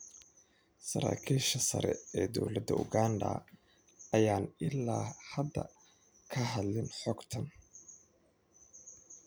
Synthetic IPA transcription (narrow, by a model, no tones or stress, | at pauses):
sɐɾa̰ːkʰiːʃɐsɐ̰ɾɛ̰ɛːd̪ɔwlɐd̪ɐʔʊɣaːndɐ̰ | ɐjaːnɪlːaːhɐd̪ːɐ̰ | kʰɐɦɐd̪lɪnħɔɡt̪ʰɐn